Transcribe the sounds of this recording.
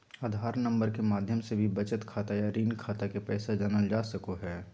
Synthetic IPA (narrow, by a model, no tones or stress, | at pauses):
aːd̪ʱaːɾnə̃mbəɾkemaːd̪ʱjəmsebʱibɐt͡ʃət̪kʰaːt̪ajaɾiːnkʰaːt̪akepɛːsad͡ʒanəld͡ʒaːsəkoɦɛː